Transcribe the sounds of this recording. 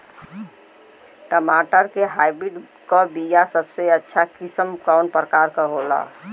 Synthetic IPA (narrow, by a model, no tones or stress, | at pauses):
ʈəmaːʈəɾkeɦaɪbɾiɖ | kɔbijasəbseətːʃʰakɪsəmkaʊnpɾəkaːɾkəɦola̰